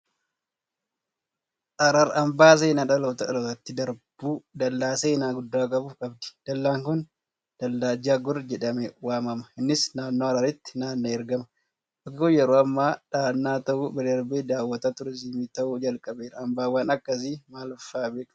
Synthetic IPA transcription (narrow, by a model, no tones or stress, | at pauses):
ʔɐɾɐɾɐmbaːs̬eːnaᶑɐloːt̪ɐɐloːt̪ɐt̪ːɪd̪ɐɾb̥uːd̪ɐlːaːseːnaːɡʊd̪ːaːkʼɐbʊfkʼɐbd̪ɪ̥d̪̥ɐlːaːŋkʊn | d̪̥ɐlːaːd͡ʒaːɡʊrd͡ʒɛᶑɐmɛwaːmɐmɐɪnːɪsnaːnːoːɐɾɐɾɪt̪ːɪ̥naːnːɐɛɾɡɐmɐ | ʔɐkkːʊjɛɾoːɐmːaːᶑaːnːaːt̪ɐʔubɛdɐɾbeːd̪aːwːɐt̪at̪ʊɾɛsimiːt̪ɐʔuːd͡ʒɐlkʼɐbeːᶑɐɐmbaːwaːnɐkːɐs̬imaːlʊfːaːbeːkʼɐ